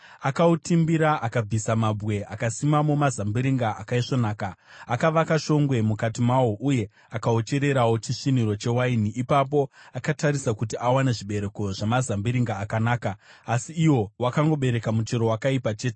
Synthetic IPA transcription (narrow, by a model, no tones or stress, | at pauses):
akautimbiɾaʔakab͡visamabɣe̞akasimamomazambiɾiŋɡaʔakaiʂonaːkaakaʋakaʃo̞ŋɡwe̞mukatimawo̞ʔuje̞ | akao̞t͡ʃe̞ɾe̞ɾawo̞t͡ʃiʂiniɾo̞t͡ʃe̞wainiʔipap̬oakataɾisakutiawaneʐiɓe̞ɾe̞ko̞ʐamazambiɾiŋɡaːkanaːkaːsiːwo̞wakaŋɡo̞ɓe̞ɾe̞kamut͡ʃeɾo̞wakaipat͡ʃe̞ːte